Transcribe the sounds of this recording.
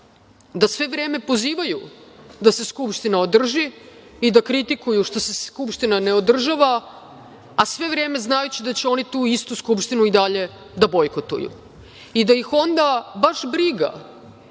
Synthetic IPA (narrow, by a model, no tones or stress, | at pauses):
d̪asʋe̞ʋɾe̞ːme̞po̞ziːʋajud̪ase̞skupʃt̪inao̞d̪r̩ʒiid̪akɾit̪ikujuʃt̪o̞se̞skupʃt̪inaneo̞d̪r̩ʒaʋaː | sʋe̞ʋɾe̞ːme̞znajut͡ɕid̪at͡ɕeo̞nit̪uːist̪uskupʃt̪inuid̪aʎe̞ | d̪abo̞jkot̪ṵjṵ | id̪ajixo̞nd̪abaʃbɾiɡa̰